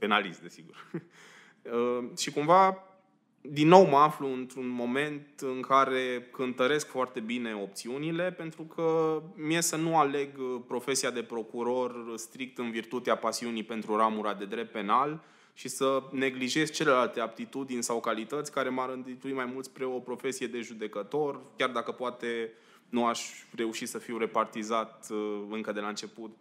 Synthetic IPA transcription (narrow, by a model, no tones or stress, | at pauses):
pe̞nalisd̪e̞siɡur | əʃikumva | d̪inːo̞wməafluɨnt̪ɾunmo̞me̞nt̪ɨŋkaɾe̞kɨnt̪əɾe̞skfoart̪e̞bine̞o̞pt̪siunile̞pe̞nt̪ɾukʰəmije̞sənuale̞ɡpɾo̞fe̞siad̪e̞pɾo̞kuɾo̞rst̪ɾik̚t̪ɨnvirt̪ut̪eapasiunipe̞nt̪ɾuɾamuɾad̪e̞d̪ɾe̞p̚t̪̚pe̞nal | ʃisəne̞ɡliʒe̞s̚t͡ʃe̞le̞lalt̪e̞ab̚t̪it̪ud̪inʲsawkalit̪ət̪sʲkaɾe̞maɾɨnt̪it̪uimajmult̪sʲpɾeo̞pɾo̞fe̞sije̞d̪e̞ʒud̪e̞kət̪o̞rkʲjard̪akəpoat̪e̞ | nuaʃʲre̞uʃit̪səfiwre̞part̪izat̪ɨŋkəd̪e̞laɨnt͡ʃe̞put̪